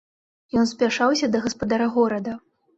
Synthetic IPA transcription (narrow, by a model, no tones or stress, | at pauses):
jɔnspʲaʂawsʲɐd̪ɐɣɐspɐd̪aɾɐɣɔɾɐd̪ɐ